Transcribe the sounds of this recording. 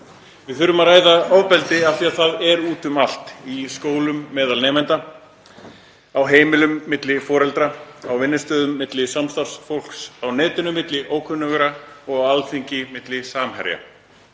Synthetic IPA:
vɪðθʏɾʏmaɾraːjðaɔvpɛlt̪ɪḁθiaθaðɛɾuːt̪ʏmal̥t̪iskoːwlʏmːɛːðalnɛːmɛnt̪a | awɦeːjmɪlʏmːɪt̪lɪfɔːɾɛlt̪ɾaawvɪnːɪst̪œːðʏmːɪt̪lɪsamst̪ar̥sfowl̥ksawnɛːt̪ɪnʏmːɪt̪lɪʔoːwkʰʏnːʏɣʏɾaɔɣawalθiɲcɪmɪt̪lɪsaːmhɛ̰ɾja̰

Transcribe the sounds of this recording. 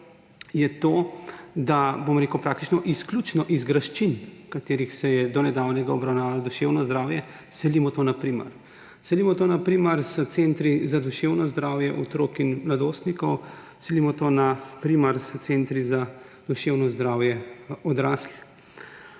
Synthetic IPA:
jɛt̪oːd̪abomɾeːkwpɾaːk̚t̪it͡ʃnɔʔisklʲut͡ʃnɔʔizɡɾaʃt͡ʃinkat̪eːɾixsɛjɛd̪ɔnɛd̪aːwnɛɡaɔbɾawnaːʋalɔd̪uʃewnɔzd̪ɾaːwjɛ | sɛlimɔt̪oːnapɾimɐ̰ɾ | sɛlimɔt̪oːnapɾiməɾst̪sent̪ɾizad̪uʃewnɔzd̪ɾaːwjɛʔɔt̪ɾoːkinmlad̪oːst̪nikɔw | sɛlimɔt̪oːnapɾimɐɾst̪sent̪ɾiza | d̪̥uʃewnɔzd̪ɾaːwjɛɔd̪ɾaːsli

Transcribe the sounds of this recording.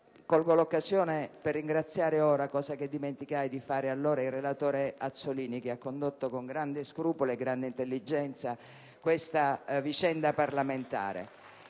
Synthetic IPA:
kolɡolokːazjoːneperːiŋɡɾat̪sjaːɾeoːɾakɔːzaked̪ːiment̪ikajd̪ifaːɾealːoːɾailrːelat̪oːɾeat̪soliːnikeakːond̪ot̪ːokoŋɡɾand̪eskɾuːpoleɡɾand̪eint̪elːid͡ʒɛnt̪sa | kwest̪avit͡ʃɛnd̪aparlament̪a̰ːɾḛ

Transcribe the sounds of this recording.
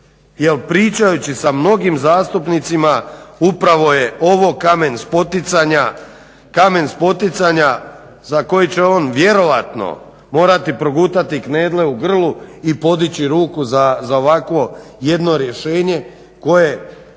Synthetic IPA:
jelpɾiːt͡ʃajut͡ɕisamno̞ɡimzaːst̪upnit̪simaupɾaʋo̞je̞o̞ʋo̞kamenspot̪it̪saɲa | kame̞nspo̞t̪it̪saɲa | zako̞jit͡ɕe̞o̞ːnʋje̞ɾo̞ʋat̪no̰ | mo̞ːɾat̪ipɾo̞ɡuːt̪at̪ikneːd̪le̞uɡr̩lˠuipo̞d̪it͡ɕiɾuːkuzazao̞ʋakʋo̞je̞d̪no̞ɾje̞ʃe̞ːɲe̞ | ko̞je̞

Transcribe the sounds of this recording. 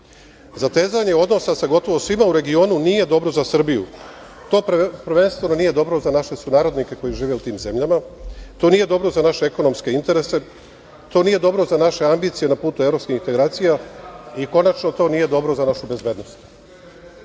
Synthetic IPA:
zat̪e̞ːzaɲe̞o̞d̪no̞sasaɡo̞t̪o̞ʋo̞sʋimauɾe̞ɡio̞ːnunije̞d̪o̞bɾo̞zasr̩bijṵ | t̪o̞ːpɾʋe̞nst̪ʋe̞no̞nije̞d̪o̞bɾo̞zanaʃe̞sunaːɾo̞d̪nike̞ko̞jiʒiːʋe̞ut̪iːmze̞mʎamat̪o̞nije̞d̪o̞bɾo̞zanaʃe̞eko̞no̞mske̞int̪eɾe̞se̞ | t̪o̞ːniːje̞d̪o̞bɾo̞zanaʃe̞ambiːt̪sije̞napuːt̪uevɾo̞pskixint̪e̞ɡɾaːt̪sijaiko̞nat͡ʃno̞t̪o̞ːnije̞d̪o̞bɾozanaʃube̞zbe̞ːd̪no̞st̪

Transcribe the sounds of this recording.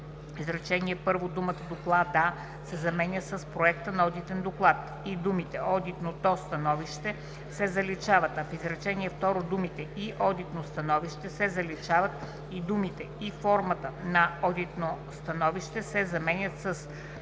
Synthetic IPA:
izɾɛt͡ʃɛniɛpɤɾvod̪umət̪əd̪oklˠad̪a | sɛzɐmɛnʲəsəspɾoɛkt̪ənɐɔd̪it̪ɛnd̪oklˠat̪ | id̪umit̪ɛʔɔd̪it̪not̪ɔst̪ɐnɔviʃt̪ɛ | sɛzɐlit͡ʃavət̪ɐfizɾɛt͡ʃɛniɛft̪ɔɾod̪umit̪ɛʔiʔɔd̪it̪nost̪ɐnɔviʃt̪ɛsɛzɐlit͡ʃavɐt̪ | id̪umit̪ɛifɔɾmət̪ənɐɔd̪it̪nost̪ɐnɔviʃt̪ɛsɛzɐmɛnʲət̪səs

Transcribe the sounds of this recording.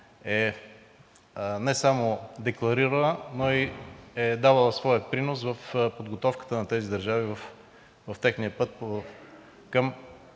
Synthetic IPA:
ɛ | nɛsamod̪ɛklˠɐɾiɾəlˠənoiɛd̪avəlˠəsvɔjəpɾinos̬vəfpod̪ɡot̪ɔfkə̥t̪ənɐt̪ɛzid̪əɾʒavivəf | vɐft̪ɛxniəpɤt̪̚p | kəm

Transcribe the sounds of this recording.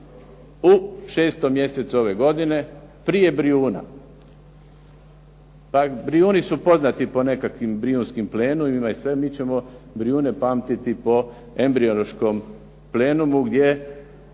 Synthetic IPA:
uʃeːst̪omːje̞set̪suo̞ʋe̞ɡo̞d̪ine̞ | pɾije̞bɾiuːna̰ | pabɾiuːnisupo̞znat̪ipo̞ne̞kakʋimbɾiunskimple̞ːnumaisʋe̞miːt͡ɕe̞mobɾiuːne̞paːmt̪it̪ipo̞ | e̞mbɾioloʃko̞m | ple̞ːnumuɡd̪je̞

